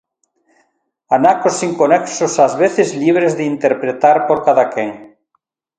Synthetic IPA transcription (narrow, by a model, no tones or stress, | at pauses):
anakosiŋkonɛksosazβeθezliβ̞ɾezðeint̪eɾpɾet̪aɾpoɾkaðakeŋ